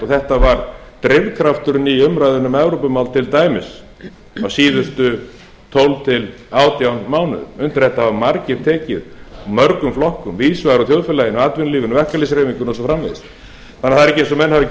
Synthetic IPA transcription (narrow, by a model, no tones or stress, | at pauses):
ɔθɛht̪avaɾt̪ɾɪɾkʰɾaft̪ʏɾʏniʏmɾajðʏɾnʏmɛvɾowpʏmawlt̪ʰɪlt̪aːjmɪs | awsiːðʏst̪ʏ | t̪ʰowlt̪ʰɪl | aːwt̪jawnmaːwnʏ̰ðʏnt̪ɪɾ̥hɛht̪ahavmaɾcɪɾ̥t̪ʰɛːcɪ̰ðmœɾkʏmflɔhkʏmviːðsvaɣɾɔθjowðfɛlajɪnɔat̪vɪnliːvɪnvɛhkalɪsɾejmiŋkʏɾnɔsɔfɾamvḛjðɪst̪ | θanaθaðɾɛcːɪejns̬ɔmɛnːhavɪ